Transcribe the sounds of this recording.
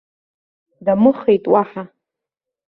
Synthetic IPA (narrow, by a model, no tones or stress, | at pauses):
damɨχejtʼwaħa